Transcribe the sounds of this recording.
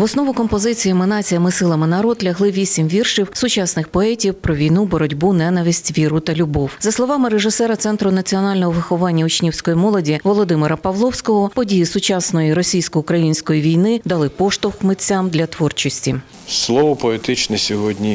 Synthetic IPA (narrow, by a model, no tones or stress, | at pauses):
ʋɔsnɔʋʊkɔmpɔzɪt͡sʲijimɪnɑt͡sʲijɐmɪsɪlˠɐmɪnɐɾɔd̪lʲɐɦlˠɪʋʲisʲimʋʲirʃiwsʊt͡ʃɑsnɪxpɔɛtʲiwpɾɔʋʲijn̪ubɔɾɔdʲbunɛnɐʋʲisʲtʲʋʲiɾʊt̪ɐlʲʊbɔwzɐslˠɔʋɑmɪɾeʒɪsɛɾɐt̪sɛnt̪ɾʊnɐt͡sʲiɔnɑlʲnɔɦɔʋɪxɔʋɑnʲːɐʊt͡ʃnʲiwsʲkɔjimɔlˠɔdʲiʋɔlˠɔd̪ɪmɪɾɐpɐʋlˠɔwsʲkɔɦɔpɔdʲijisʊt͡ʃɑsnɔjiɾɔsʲijsʲkɔʊkɾɐjinʲsʲkɔjiʋʲijnɪd̪ɐlˠɪpɔʃt̪ʊxmɪt͡sʲːamd̪lʲɐt̪ʋɔrt͡ʃɔsʲtʲi | slˠɔʋɔpɔet̪ɪt͡ʃnɛsʲɔɦɔdʲnʲi